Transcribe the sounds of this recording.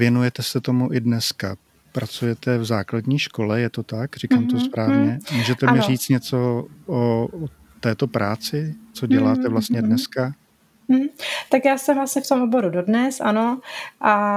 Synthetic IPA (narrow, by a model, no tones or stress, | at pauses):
vjɛnujɛt̪ɛsɛt̪o̞muʔɪdnɛska | pɾʔat͡sujɛt̪ɛvzaːkladɲiːʃko̞lɛjɛt̪o̞t̪akr̝ikaːmt̪osspɾaːvɲɛmuːʒɛt̪ɛmɪɾiːt͡st̪ɲɛt͡so̞ʔoo | t̪ːɛːt̪o̞pɾaːt͡sɪt͡so̞ɟɛlaːt̪ɛvlast̪ɲɛdnɛska | m̩ɦ̩t̪akjaːsɛɦlasɲɪft̪o̞mʔobo̞ɾudodnɛsʔanoʔa